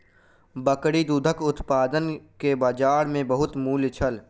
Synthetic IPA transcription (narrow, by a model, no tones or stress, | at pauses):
bəkɽid̪uːd̪ʱəkʊt̪paːd̪ənkebaːd͡ʒaːɽmẽbəɦʊt̪muːlt͡ʃʰəl